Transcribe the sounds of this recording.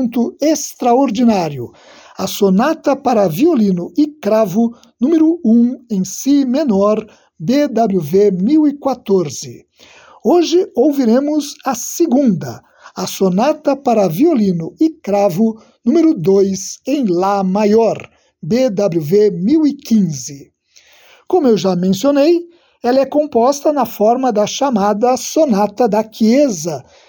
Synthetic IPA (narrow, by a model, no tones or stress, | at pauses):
nt̪ʊest̪ɾaoɾd̪inaɾjʊ | sonat̪ɐpaɾɐviolĩnʊɪkɾavʊ | nũmeɾʊũẽj̃simenɔɾ | bed̪abluvemiwɪkwat̪oɾzɪ | oʒɪowviɾẽmʊzɐseɡũnd̪ɐ̰ | asonat̪ɐpaɾɐviolĩnʊɪkɾavʊ | nũmeɾʊd̪ojzẽj̃lamajɔɾ | bed̪abluvemiwɪkĩzɪ | kõmʊewʒamẽsionej | ɛlɐɛkõpɔst̪ɐnɐfɔɾmɐd̪ɐʃamad̪ɐsonat̪ɐd̪ɐkiezɐ